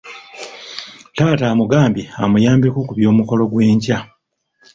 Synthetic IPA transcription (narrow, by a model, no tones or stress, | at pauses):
taːtaːmuɡaːmbjiamujaːmbekokuβjo̞ːmuko̞lo̞ɡwe̞ːɲca